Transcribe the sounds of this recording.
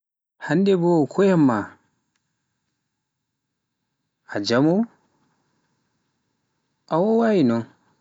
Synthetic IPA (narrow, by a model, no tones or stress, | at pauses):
handɛbɔkʰɔjamːa | ad͡ʒamu | ʔawɔwainɔ